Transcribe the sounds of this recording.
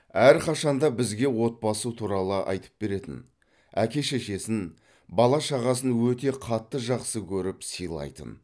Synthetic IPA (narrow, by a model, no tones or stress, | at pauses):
æɾqʰɑʃɑnd̪ɑbɪzɡʲe̞wo̞t̪̚pɑsut̪ʰuɾɑlˠəʔɑ̰jt̪ʰə̥p̚be̞ɾe̞t̪ɪ̰n | ækʲe̞ʃe̞ʃe̞sɪn | bɑlˠɑʃɑʁɑsənwɵt̪e̞qʰɑt̪ːəʒɑqsəkʲʰɵɾɪpsijlˠɑ̰jt̪ə̰n